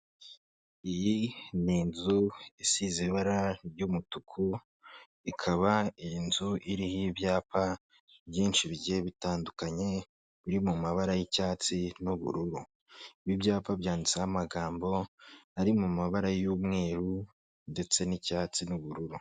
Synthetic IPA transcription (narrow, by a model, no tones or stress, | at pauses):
ijininzuisiziβaɾaɾɟumutukʰu | ikʰaβainzuʔiɾihibjaːpa | bjiːnʃiβiɟeβitaːndukaɲe̞ | βiɾimumaβaɾajicaːt͡sinuβṵɾuɾu | iβibjaːpabjaːndit͡sahamaɡaːmbo̞aɾimumaβaɾajumŋe̞ːɾu | nde̞t͡se̞nicaːt͡sinuβuɾuɾu